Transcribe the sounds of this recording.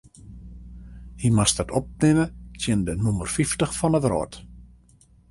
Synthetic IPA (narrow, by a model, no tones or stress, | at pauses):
himastətɔp̚nɪmətjɪndənumərfiftəxfɔnətrɔ̰ːt